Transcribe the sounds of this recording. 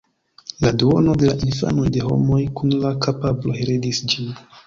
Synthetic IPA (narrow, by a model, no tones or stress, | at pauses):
laduono̞de̞laʔinfa̰no̞jde̞ɦo̞̰mo̞jkunlakapabloɦeɾedisd͡ʒin